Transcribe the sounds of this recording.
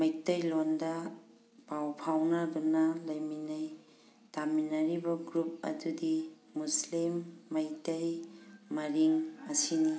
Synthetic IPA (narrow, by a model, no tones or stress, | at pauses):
mɐjtɐjlondɐ | pawpʰawnɐɾunɐlɐjminaj | taminɐɾibɐɡɾup̚ɐ̰dudiː | uslimːɐjtɐjmɐɾiŋɐsini